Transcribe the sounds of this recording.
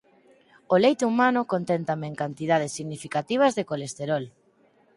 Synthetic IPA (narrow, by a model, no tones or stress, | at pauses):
olejt̪umanʊkont̪ɛnt̪ameŋkant̪iðað̞esːiɣnifikat̪iβ̞ɐzðekolest̪eɾɔl